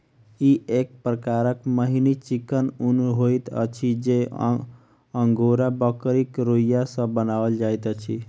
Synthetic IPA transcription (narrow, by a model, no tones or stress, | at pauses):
iek̚pɾəkaɾəkməɦinit͡ʃikənunɦojt̪ə̰t͡ʃʰid͡ʒe | ə̃ŋɡoɾabəkɾikɾojjasə̃bənaʋəld͡ʒajt̪ət͡ʃʰi